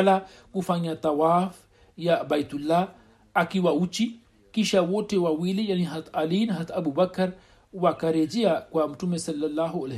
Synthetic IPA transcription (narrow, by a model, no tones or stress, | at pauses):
la | kufaɲat̪awaːf | jabajt̪ulːa | akiwaut͡ʃːi | kiʃawotewawilejaniɦat̪alinɦat̪abubɐkɐɾ | wakaɾed͡ʒiakwamutumesɐlːalːaɦual